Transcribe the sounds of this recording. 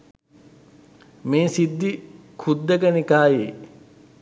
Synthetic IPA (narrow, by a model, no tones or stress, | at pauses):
meːsid̪ːikʰud̪ːəkənikaːje